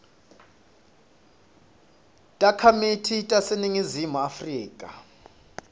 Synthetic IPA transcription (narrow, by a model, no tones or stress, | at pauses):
tʼakʰamitʰitʼaseniŋizimuafriːkʼa